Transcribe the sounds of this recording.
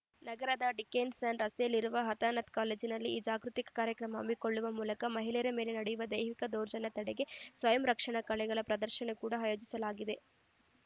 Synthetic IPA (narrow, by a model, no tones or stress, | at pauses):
nɐɡɐɾɐd̪ɐɖikeːnsɐnɾɐst̪ejɐlːiɾuʋɐɦɐt̪aːnɐt̪kaːleːd͡ʒinɐlːiiːd͡ʒaːɡɾut̪ikɐ̥kaːɾjɐkɾɐmɐɐ̰miko̞ɭːuʋɐmuːlɐkɐmɐɦilɛjɐɾɐme̞ːle̞nɐɽɛjuʋɐd̪ɐjʋikɐd̪oːɾd͡ʒɐnɐt̪ɐɽɛɡe̞sʋɐjɐmɾɐkʂɐɳɐkɐɭɛɡɐɭɐpɾɐd̪ɐɾʃɐnekuːɽɐaːjoːd͡ʒisɐlaːɡid̪e̞